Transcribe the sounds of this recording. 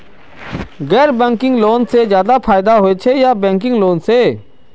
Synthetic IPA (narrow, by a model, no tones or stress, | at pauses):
ɣɛːɾbɛ̃ːŋkɪ̃ŋɡloːnsezjaːd̪apʰaːɪd̪aɦoet͡ʃʰejabɛ̃ːŋkɪ̃ŋɡloːnseː